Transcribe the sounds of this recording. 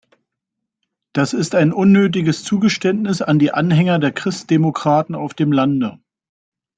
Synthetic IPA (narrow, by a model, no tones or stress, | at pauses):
d̥asɪstaɪnʔʊnːøːt̬ɪɡəst͡suːɡəʃtɛntnɪsa̰ndiːʔanhɛŋɐdeːɐkʁ̥ɪst̚d̥emokʁ̥aːtn̩aʊfd̥eːmlandə